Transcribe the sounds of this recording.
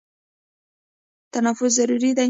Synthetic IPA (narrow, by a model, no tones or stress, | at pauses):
t̪anafʊzːaɾuɾid̪a